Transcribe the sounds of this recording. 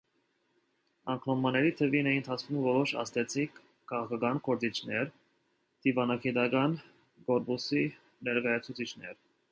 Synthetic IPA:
ɑ̰ŋkʰnɔmɑnɛɾit̪ʰəvinɛənt̪ʰɑt͡skʰumvɔɾɔʃɑ̰st̪ɛt͡sʰikʰː | ɑʁɑkʰɑkɑnkɔɾt͡sit͡ʃʰnɛɾ | d̪̥ivɑnɑɡit̪ɑkɑn | kɔɾpusi | nɛɾkɑjɑt͡sʰut͡sʰit͡ʃʰnɛ̰ɾ

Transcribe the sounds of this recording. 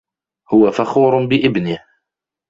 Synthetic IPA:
hʊwafaxuːɾnbɪʔɪbnɪh

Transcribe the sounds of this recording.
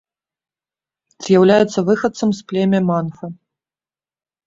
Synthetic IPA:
z̥jawlʲajɛt̪sːɐvɨxɐt̪sɐmsplʲɛmʲɐmanfɐ

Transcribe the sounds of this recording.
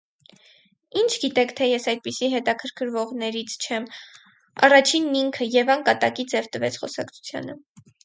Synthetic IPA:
int͡ʃʰɡit̪ɛkʰt̪ʰɛjɛsɑjd̪̚pisiɦɛt̪ɑkʰəɾkʰəɾvɔʁnɛɾit͡sʰt͡ʃʰɛm | ɑ̰rɑt͡ʃʰinːiŋkʰəjɛvɑŋkɑt̪ɑkid͡zɛvt̪əvɛt͡sʰχɔ̰sɑkt͡sʰu̥t͡sʰjɑ̰nə

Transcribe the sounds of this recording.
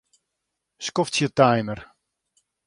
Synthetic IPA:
skoftsjətajnər

